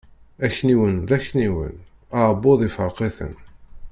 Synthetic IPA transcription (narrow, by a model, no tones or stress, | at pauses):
æçniwənðæçniwə̰n | aʕbːoðˤɪfəɾˤqeθə̰n